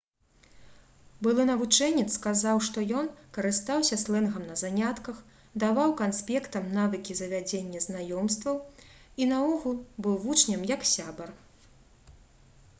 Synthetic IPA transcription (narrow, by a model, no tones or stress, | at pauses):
bɨlˠɨnɐvut͡ʂɛnʲːit̪skazawʂt̪ɔjɔnkɐɾɨst̪awsʲɐslˠɛnɣɐmnɐzanʲat̪kɐx | d̪avawkanspʲɛkt̪ɐmnavɨkʲizɐvʲad͡zʲenʲːɐznajɔmst̪vɐw | inɐɔɣulˠbɨwvut͡ʂnʲɐmjɐksʲabɐr